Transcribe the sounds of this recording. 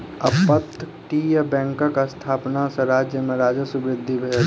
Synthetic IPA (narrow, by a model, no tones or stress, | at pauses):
ɐpət̪ʰː | ʈiːjabɛ̃ːŋkakast̪ʰaːpnasɐɾaːd͡ʒjəmẽɾaːd͡ʒəsʊbɾɪd̪ʱːibʱeː